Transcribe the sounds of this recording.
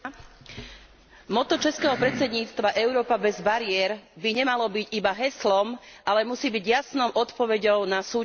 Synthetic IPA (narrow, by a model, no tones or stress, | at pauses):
mɔt̪ɔt͡ʃɛskɛːɦɔpɾɛt͡sɛd̪ɲiːt͡st̪ʋaʔɛʊɾɔːpabɛzbaɾɪɛɾbiɲɛmalɔbiɟibaɦɛslɔmʔalɛmusiːbiɟjasnɔʊʔɔt̪pɔʋɛɟɔʊnasuː